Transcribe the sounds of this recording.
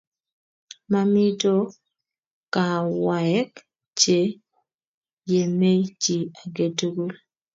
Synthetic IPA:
ma˦mi˦to˦ | ka˨wa˨ɛ˦k | t͡ʃe˨ | je˨me˦t͡ʃi˨a˨ɡe˨tu˦ɡu˦l

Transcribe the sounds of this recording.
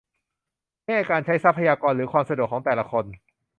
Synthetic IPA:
ma˥˩jʔaː˧˩kaː˧nt͡ɕʰa˦˥jsa˦˥pʰa˧jaː˧kɔː˧nɾɯː˩˦kʰwaː˧msa˧du˨˩kʰːɔː˩˦ŋt̪ɛː˨˩la˧˦kʰo˧n

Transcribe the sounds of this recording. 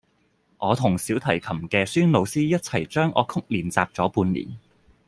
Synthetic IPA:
ʔɔː˨˧t̪ʰʊ˨˩ŋsiː˨˥wt̪ʰɐ˨˩jkʰɐ˨˩mkɛː˧syː˥nlo˨˧wsiː˥jɐ˥t̚t͡sʰɐ˨˩jt͡ʃœː˥ŋʔɔ̰ː˨˧kʰʊ˥k̚liː˨nt͡saː˧p̚t͡sɔː˨˥puː˧nlḭː˨˩n

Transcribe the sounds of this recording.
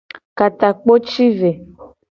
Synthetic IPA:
ka˨t̪a˨k͡po˦t͡ʃi˦ve˨

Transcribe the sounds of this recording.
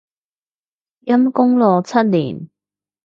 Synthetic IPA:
jɐ˥mkʊ˥ŋlɔː˨˧t͡sʰɐ˦˥t̚liː˨˩n

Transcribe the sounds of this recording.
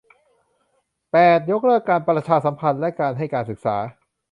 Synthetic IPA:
pɛː˨˩t̪̚jo˦˥k̚ɾɤ˥˩kːaː˧npɾa˧t͡ɕʰaː˧sa˩˦mpʰa˧nlɛ˦˥kaː˧nɦa˥˩jkaː˧nsɯ˨˩k̚sa̰ː˩˦

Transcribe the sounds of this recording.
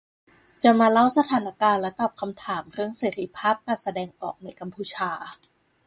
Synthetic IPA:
t͡ɕa˨˩maː˧la˦˥˩wsa˧t̪ʰaː˩˦na˦˥kaː˧nlɛ˦˥t̪ɔː˨˩p̚kʰa˧mt̪ʰaː˩˦mɾɯ˥˩əŋseː˩˦ɾi˦˥pʰaː˥˩p̚kaː˧˩sa˧dɛː˧ŋʔɔː˨˩k̚na˧˥jka˧mpʰuː˧t͡ɕʰaː˧

